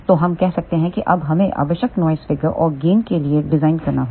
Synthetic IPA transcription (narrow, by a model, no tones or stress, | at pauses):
t̪oɦɐmkɛɦsɐk̚t̪eɦɛ̃kiʔɐbɦɐmẽʔɐ̰bəʃəknɔːjzfɪɡəɾʔɔ̰ːɾɡeːnkelieɖɪzaːɪnkɐɾnaɦoː